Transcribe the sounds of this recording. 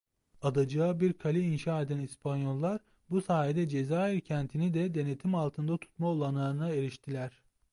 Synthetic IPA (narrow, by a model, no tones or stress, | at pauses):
ad̪ad͡ʒaːbiɾkʰalʲiːnʃaːe̞d̪ænispʰanjo̞lˠːaɾ | busaːɦed̪ɛd͡ʒe̞zaːiɾcʰænt̪ʰinid̪ɛd̪e̞ne̞t̪ʰimalˠt̪ʰɯnd̪at̪ʰu̥t̪maolˠanˠaɾɯnae̞ɾiʃt̪ʰilʲæɾ̥